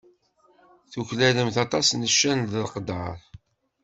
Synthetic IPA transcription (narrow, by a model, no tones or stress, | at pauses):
θuçlæləmθɑt̪ˤɑsnəʃːænðəlqəd̪ɑ̰ɾˤ